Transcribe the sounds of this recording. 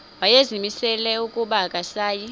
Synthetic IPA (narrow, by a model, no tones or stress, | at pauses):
wajezimisɛlɛukʼuɓakʼasaːji